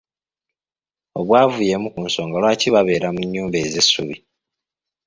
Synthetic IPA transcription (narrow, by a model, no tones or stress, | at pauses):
o̞βwaːvuje̞mukunso̞ːŋɡalwaːciβaβe̞ːɾamuɲːuːmbe̞ːze̞sːuβi